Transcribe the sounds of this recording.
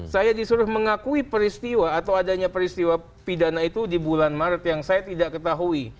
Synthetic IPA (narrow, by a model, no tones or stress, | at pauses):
sajadisuɾʊhməŋakuipəɾist̪iwaːt̪awadaɲapəɾist̪iwa | pidanait̪udibulanmaɾət̪jaŋsajat̪idaʔkət̪aɦui